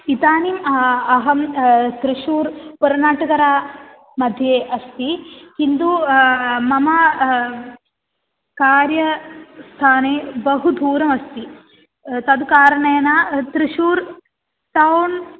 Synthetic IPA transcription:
it̪aːnimɐɦɐmt̪ɾiʃuːɾpuɾɐnaːʈɐkɐɾaː | mɐd̪ʱjeːʔɐst̪ikind̪u | mɐma | kaːɾjɐst̪ʰaːneːbɐɦud̪ʱuːɾɐmɐst̪i | t̪ɐd̪ukaːɾɐɳɐjɐnat̪ɾiʃuːɾ | ʈ̪ɐwn

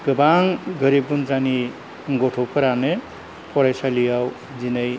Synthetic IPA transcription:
ɡɯbaŋɡʌɾibunt͡sani | ɡoʈʰopʰʌɾane | pʰɔɾajsalijaw | d͡zinʌj

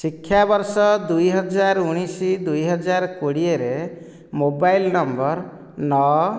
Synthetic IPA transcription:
sikʰːjabɔɾsɔd̪ujɦɔd͡ʒaɾuɽ̃isid̪ujɦɔd͡ʒaɾkoɽieɾe | mobajlnɔmbɔɾ | nɔ

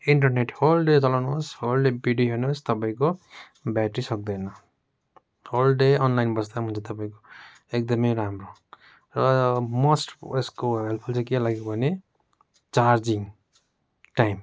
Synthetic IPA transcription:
iɳʈʌrneʈholɖet͡sʌlawnosholɖebiɖiɦenost̪ʌpaĩko | bjaʈrisʌk̚d̪ʌjnʌ | holɖeʌnlajnbʌsd̪amɦunt͡sʰʌt̪ʌpaĩko | ek̚d̪ʌmʌjɾamro | rʌmʌsʈeskoɦelpʰʌlt͡sakelaɡekobʱʌne | t͡sard͡ziŋ | ʈajm

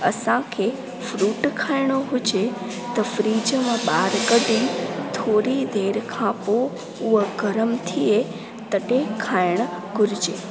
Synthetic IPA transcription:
ɐ̰sãkʰeː | fɾuːʈkʰaːɪɽ̃oɦʊd͡ʑe | t̪ɐfɾiːd͡ʑəmãɓaːɾkəɖʱĩt̪ʰoːɾid̪eːɾkʰãpo | ʊɦəɡʱɐɾəmt̪ʰie | t̪ɐɖekʰaːɪɽ̃̆ɡʱʊɾɪd͡ʑeː

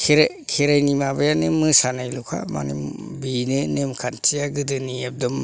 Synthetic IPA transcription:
kʰɾ | kʰiɾajnimabajanɯmɯsanajlukʰa̰ma̰nḭmbinɯnemkʰantʰijaɡɯdɯniep̚dɔm

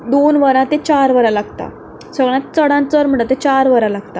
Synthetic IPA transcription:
d̪onʋəɾãt̪et͡ɕaɾʋəɾalaɡt̪a̰ | səɡɭjãt̪̚t͡səɽãnt͡səɾm̤əɳat̪et͡ɕaɾʋəɾalaɡt̪a

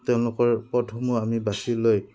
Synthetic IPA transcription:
tɛʊ̃lʊkɔɹpɔtʰɔmʊamibasiloj

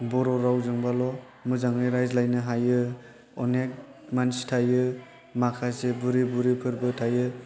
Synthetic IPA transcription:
bɔɾɔɾawzɯŋbalɔ | mɯzaŋɾiɾajzlajnɯɦajɯ | ɔnek̚manstʰajɯ | makʰasebuɾibuɾipʰɯɾbɯtʰajɯ

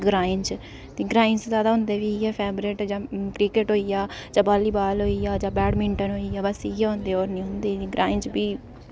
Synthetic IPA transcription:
ɡɾaːɪ̃nt͡ʃ | t̪eːɡɾaːɪnszjaːd̪aːɦʊ̃nd̪eːʋiːjɛːpʰɛːbɾeːʈd͡ʒaːkɾikeʈɦoːijaːd͡ʒaːbaːliːbaːlɦoːijaːd͡ʒãːbɛːɽmɪ̃ɳʈənɦoːiaːbəsijeːɦʊ̃nd̪eːoːɾnĩːɦʊ̃nd̪eːɡɾʔaːɪnt͡ʃbiː

